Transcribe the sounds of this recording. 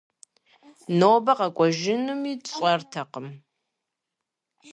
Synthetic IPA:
nowbɐqɐkʷʼɔʒɪnɨmiːɕʼɐrtʰɐqəm

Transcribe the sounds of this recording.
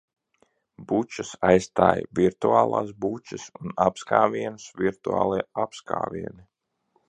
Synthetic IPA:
but͡ʃasajst̪aːjviɾt̪uaːlˠaːsbut͡ʃəsunapskaːviɛnusviɾt̪ua̰ːlˠiɛapska̰ːvʲiɛni

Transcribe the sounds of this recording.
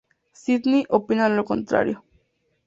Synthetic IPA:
sit̪niʔopinanɾokɔnt̪ɾa̰ɾḭo

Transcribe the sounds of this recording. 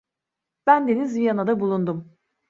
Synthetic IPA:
b̥ænd̪e̞nizvijanad̪abulˠund̪um

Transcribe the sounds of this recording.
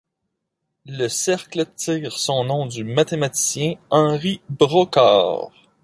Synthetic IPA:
ləsɛʁklət̪iːʁsɔ̃nɔ̃d̪ymat̪emat̪i̥sjɛ̃ɑ̃ʁibʁɔkɑ̰ːʁ

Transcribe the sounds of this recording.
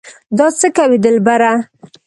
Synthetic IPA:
d̪ɑt͡səkawid̪əlbaɾa

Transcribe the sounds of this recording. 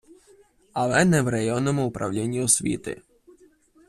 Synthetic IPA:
alˠɛnɛwɾajɔnːɔmʊʊpɾa̰wlʲinʲːiɔsʲʋʲḭt̪ɪ̰

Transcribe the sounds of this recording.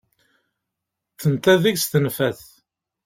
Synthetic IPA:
θənt̪æðiʝst̪ənfæθ

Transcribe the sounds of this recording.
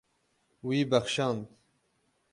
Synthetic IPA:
wiːbaxʃɑːnd̪

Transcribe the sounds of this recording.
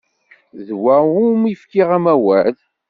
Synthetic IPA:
ðwæumifkiʁæmæwæð

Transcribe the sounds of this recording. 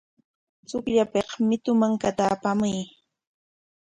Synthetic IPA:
t͡sʊkʎapeχmɪt̪ʊmaŋkat̪aːpamʊj

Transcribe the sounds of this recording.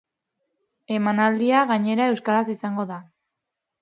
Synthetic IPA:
e̞manald̪iaɣaɲe̞ɾae̞wskaɾasisaŋɡo̞ða

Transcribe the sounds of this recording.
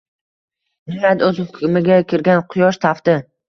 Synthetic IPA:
nɪŋad̪ɵzhʊkʰʊmɪɡʲakʲʰɪɾɡʲanqʰʊjɒʃt̪ʰaft̪ɪ

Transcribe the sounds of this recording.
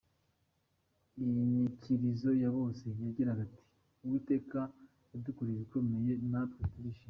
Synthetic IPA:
ijmiciɾizo̞jaβo̞ːse̞jaɟiɾaɡatʰi̥ | uβute̞ːka | udukuɾiβiko̞me̞je̞napɾotuɾiʃi

